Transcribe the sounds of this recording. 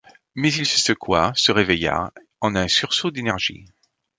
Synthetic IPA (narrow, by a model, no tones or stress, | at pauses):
mɛzilsəsəkwasəʁeveja̰ | ɑ̃nɛ̃syʁsod̪enɛʁʒḭ